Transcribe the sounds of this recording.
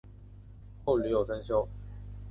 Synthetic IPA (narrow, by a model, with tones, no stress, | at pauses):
xo˥˩ly˨˥jo˨˩ʊsə˥nɕjo˥ʊ